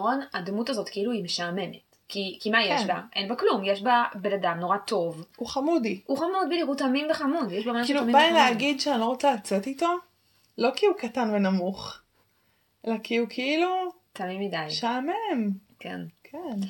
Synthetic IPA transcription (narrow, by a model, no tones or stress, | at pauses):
onad̪mutazo̞t̪keiluimeʃaːme̞met | kikimajeʃbaʔejnbaklumjeʃbabenadamnoʁato̞vuχamudiuχamudbiliʁutamimbeχamudjeʃbamakilumibajileaɡidʃeanlo̞ʁot͡salat͡se̞tito̞ | lo̞kiukatanve̞namuχ | ʔelakiukʰeilutamimːidajʃaːmemkḛnkʰen